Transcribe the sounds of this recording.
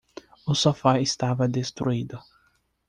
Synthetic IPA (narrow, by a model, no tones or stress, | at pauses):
ʊsofaist̪avɐd̪est̪ɾuid̪ʊ